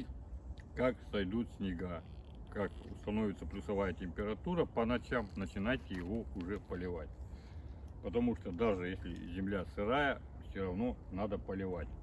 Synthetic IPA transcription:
kaksɐjd̪ut̪sʲnʲɪɡa | kakʊst̪ɐnovʲɪt̪səplʲʊsɐvajətʲɪmʲpʲɪɾɐt̪uɾəpənɐt͡ɕamnət͡ɕɪnajtʲɪjɪvo̞ʊʐɛpəlʲɪvat̚ʲ | pət̪ɐmuʂt̪od̪aʐɨjesʲlʲɪ̰zʲɪmlʲasɨɾajə | fsʲoɾɐvno̞nad̪əpəlʲɪvatʲ

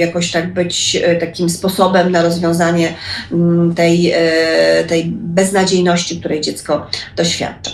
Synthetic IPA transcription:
jakɔɕt̪aɡ̚bɘt͡ɕt̪akʲimspɔsɔbɛmnaɾɔzvʲjɔ̃w̃zaɲɛ | t̪ɛj | t̪ɛjbɛznad͡ʑejnɔɕt͡ɕik̚t̪uɾɛjd͡ʑɛt̪skɔd̪̥ɔɕfʲja̰t̪t͡ʂḁ

